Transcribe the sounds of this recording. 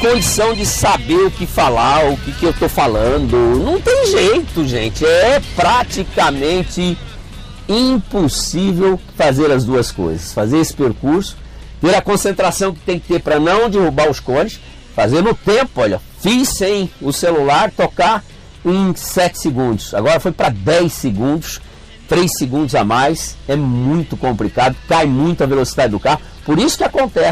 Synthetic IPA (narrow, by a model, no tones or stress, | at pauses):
kõd͡ʒisɐ̃w̃d͡ʒɪsabeɾʊkɪfalaʊkɪkɪewt̪ofalɐ̃nd̪ʊnɐ̃w̃t̪ẽj̃ʒejt̪ʊʒẽnt͡ʃɪɛpɾat͡ʃikamẽnt͡ʃɪ | ĩposivewfazeɾɐzd̪uɐsko̰jzɐsfazeɾesɪ̥peɾkuɾsʊ̥ | t̪eɾɐkõsẽnt̪ɾasɐ̃w̃kɪ̥t̪ẽj̃kɪ̥t̪eɾpɾɐnɐ̃w̃d͡ʒɪhubaʊskõnɪs | fazẽɾd̪ʊt̪ẽpʊɔʎɐ | fisẽj̃ʊselulaɾt̪oka | ẽj̃sɛt͡ʃɪ̥seɡũnd̪ʊsa̰ɡɔɾɐfojpɾɐd̪ɛjseɡũnd̪ʊs | t̪ɾejseɡũnd̪ʊzamajsɛmũj̃t̪ʊkõmplikad̪ʊkajmũj̃t̪ʊɐvelosid̪ad͡ʒɪd̪ʊkaɦʊ | poɾisʊ̥kɪakõnt̪ɛ